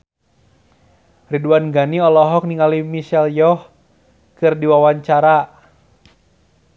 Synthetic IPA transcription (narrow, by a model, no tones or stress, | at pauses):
riduanɡaniɔlɔɦɔk̚niŋalimiʃɛljɔh | kɨrdiwawaɲt͡ʃaɾa